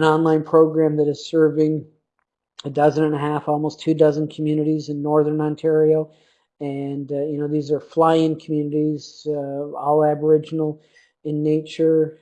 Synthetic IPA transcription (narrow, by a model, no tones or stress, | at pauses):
ɨ̃nɑ̃nlãɪ̃npʰɹ̥oʊɡɹæ̃mðɨɾɨz̥sɜ˞vɪ̃ŋ | ɨdʌzɨ̃nɨ̃nɨɦæfɔlˠmoʊstʰʉdʌzɨ̃nkʰm̩jʉnɨɾizɨ̃nːɔɹðə̃˞nɑ̃ntʰɛɹioʊ | ɨ̃njɨnoʊðizə˞flaɪɪ̃ŋkʰm̩jʉnɨɾiz | ɔlˠæbə˞ɪd͡ʒnl̩ˠ | ɨ̃nːeɪt͡ʃə˞